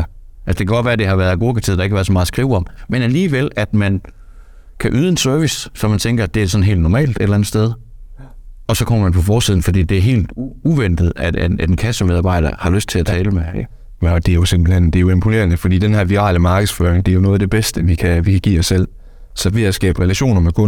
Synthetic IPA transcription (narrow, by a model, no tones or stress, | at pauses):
ʔælsɒ̥̽e̝kʰæɡɒ̽d̥ʋæːɐd̥e̝hɑ̈ʋæːɐðˠɡo̝̰ːkʰɑt͡sʰið̰̥ˠɑeɡkæʋæɐð̩ˠsɒmɑːð̩ˠsɡ̥ʁiʊɒ̽mmenæliːʋel̰æd̥mæn | kʰæʔyːð̩ˠe̝nsøɐʋissɒmænt͡sʰeŋɡ̥ɐæd̥e̝æsɒ̽n̩ɦe̝̰ld̥nɒmɛ̰ːld̥ed̥elænð̩ˠsd̥eð̞ˠ | ɒ̽sɒ̽kʰɒ̽m̰ɐmænpʰɒ̽fɒːsiðˠn̩fɒ̽d̥ḭːd̥e̝æɐɦe̝̰ːld̥uʋen̰d̥ð̩ˠæ̥ææ̥enkʰæsəmeð̞ˠɑ̈ːb̥ɑ̈ɪ̰d̥ɐ̰hɑ̈løsd̥t͡sʰe̝læt͡sʰɛːləme | d̥e̝jo̝se̝mb̥l̩hend̥e̝jo̝e̝mpʰo̝ne̝̰ɐnəfɒd̥ḭːd̥enɦæɐ̰ʋiʁɑ̰̈ːləmɑ̈ːɡ̥əðˠsføːɐʁeŋd̥e̝ɐjo̝nɔ̽ːðˠd̥e̝b̥esd̥əʋikʰæʋikʰæɡ̥ḭːɒ̽sːel̰ | sɒ̽ʋiæsɡ̥ɛ̰ːb̥əʁɛlæɕo̝̰ːnɐmekʰɔ̽n